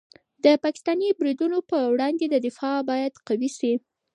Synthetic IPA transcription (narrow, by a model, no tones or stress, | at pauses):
d̪əpɑkɪ̥st̪ɑnibɾid̪unopəwɽɑnd̪ed̪əd̪ɪfɑbɑjad̪qawiʃi